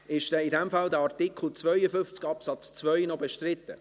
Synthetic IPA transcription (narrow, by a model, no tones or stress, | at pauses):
ɪʃd̥ɛidɛmfɑldəɑɾtɪkʰl̩ˠt͡svœʏəfʏft͡sɡ̥ɑpsɑt͡st͡svœʏnɔbɛʃtrɪt̪ːə